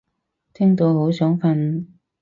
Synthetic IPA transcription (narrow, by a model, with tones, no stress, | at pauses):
t̪ʰɛː˥ŋt̪o˧who˨˥wsœː˨˥ŋfɐ˧n